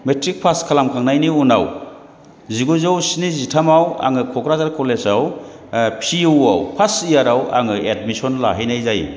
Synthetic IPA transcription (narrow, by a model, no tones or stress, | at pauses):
metɾik̚pʰaskʰalamkʰaŋnajniunaw | ziɡuzawsinizitʰamawa̰ŋɯkʰɔkɾazaɾkʰɔlesaw | pʰiɯwa̰wpʰasijaɾawa̰ŋɯed̚misɔnla̰ɦajnajzaj